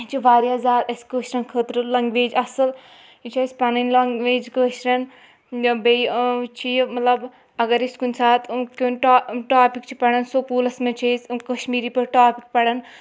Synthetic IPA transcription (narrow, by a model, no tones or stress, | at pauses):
t͡ʃʰiʋaːɾiɐzaːɾɐsʲkəːʃɾɐnkʰəːt̪ɾɨlɐŋɡʋeːd͡ʒɐsɐl | it͡ʃʰɐsʲpɐnɐnlɐŋɡʋeːd͡ʒkəːʃɾɐn | bejt͡ʃʰijmɐt̪lɐb | ɐɡɐɾiskunʲsaːt̪ʰkʲonʈaːʈaːpikt͡ʃʰi̥pɐɽɐnsokuːlɐsmet͡ʃʰɐsʲkɐʃmiːɾipɐɾʈaːpik̚pɐɽɐn